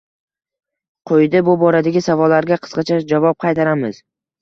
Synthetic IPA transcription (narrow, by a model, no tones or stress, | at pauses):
qʰojd̪ɪbʊbɒɾad̪aɡʲɪsavɒlːaɾɡʲaqʰɨ̥sqɑt͡ʃʰad͡ʒavɒp̚qʰɑjt̪aɾamɪz̥